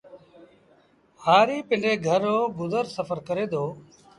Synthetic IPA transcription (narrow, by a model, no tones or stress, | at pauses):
haːɾiːpɪɳɖeːɡʱəɾoːbʊd̪əɾsəfəɾkəɾeːd̪oː